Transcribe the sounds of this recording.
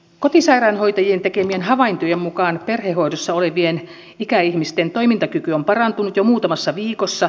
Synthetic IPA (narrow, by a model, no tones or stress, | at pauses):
ko̞t̪isɑiɾɑnho̞jt̪ɑjient̪ekemienhɑʋɑint̪ojemmukɑːnperheɦo̞jdosːɑoleʋien | ikæihmist̪ent̪o̞imint̪ɑkykyompɑrɑnt̪unut̪jomuːt̪ɑmɑsːɑʋiːkosːɑ